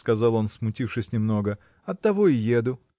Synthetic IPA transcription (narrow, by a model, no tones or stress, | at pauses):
skɐzɑlˠo̞nsmʊtʲifʂɨsʲnʲɪmno̞ɡə | ɐt̪ːɐvo̞ɪjed̪ʊ